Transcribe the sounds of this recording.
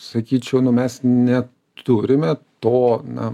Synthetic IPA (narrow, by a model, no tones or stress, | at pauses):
sɐkʲiːt͡ʃʲɛʊnʊmʲɛsnʲɛ | t̪ʰʊɾʲɪmʲɛt̪oːnɐ̰